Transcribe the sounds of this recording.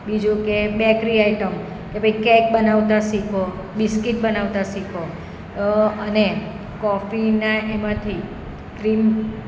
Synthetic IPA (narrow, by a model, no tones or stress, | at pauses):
bid͡ʒũkebɛkɾiaiʈəm | kepəikɛk̚bənaʋt̪asikʰo | biskiʈ̚bənaʋt̪asikʰo | əne | kɔfinaʔɛmãt̪ʰi | kɾim